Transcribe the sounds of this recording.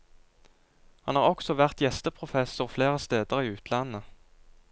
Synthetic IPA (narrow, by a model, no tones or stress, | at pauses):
hɑnɑːʁɔksɔʋæʁt̪jɛst̪əpʰʁʊfɛsʊʁfleːʁəst̪eːd̪əʁiːʉːt̪ʰlɑnə